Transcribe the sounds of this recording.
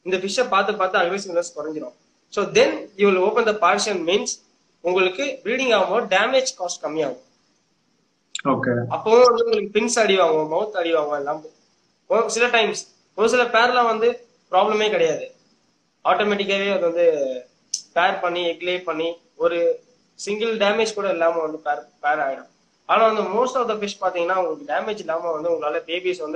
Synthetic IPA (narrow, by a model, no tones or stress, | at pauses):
ɪnd̪ɐfɪʂɐ̃paːɾt̪ɯpaːɾt̪ːɯɐɡʋesɪʋnɐskʊɾɐɲd͡ʒɪɾõː | soːd̪ɛnjuːʋɪloːpɐ̃nd̪ɐpaːɾʂɐnmiːns | ʊŋɡɐɭɯkːɯbɪɾiːɽɪ̃ŋɡaːʋɐmoːɖaːmeːd͡ʒkoːsʈkɐmːɪaːŋʊ̃ | oːkeːɐpːõːʋɐnd̪ɯʊŋɡɐɭɯkːɯpɪnsɐɽɪʋaːŋɡõmɐɣɯt̪ːɐɽɪʋaːŋɡʊ̃ɪlːãːmb | ɔsɪlɐʈɐɪms | ɔɾɯsɪlɐpeːɾlãːʋɐnd̪ɯ | pɪɾaːblɐmeːkɐɽɐjaːðɯ | aːʈoːmɛːʈɪk̬ːaːʋeːɐðʋɐnd̪ɯ | peːɾpɐɳːiɛkleːpɐɳːi | ɔɾɯ | sɪŋɡɪlɖeːmeːd͡ʒkuːɽɐɛlːaːmɐʋɐnd̪ɯpeːɾpeːɾaːɣɪɽɐ̃m | aːnãːʋɐnd̪ɯmoːsʈɔːfd̪ɐfɪʂpaːɾt̪iːŋɡɐnːaːʊŋɡɐɭɯkːɯɖeːmed͡ʒɛlːaːmɐʋɐnd̪ɯʊŋɡɐɭaːlɐpeːbisʋɐnd̪ɯ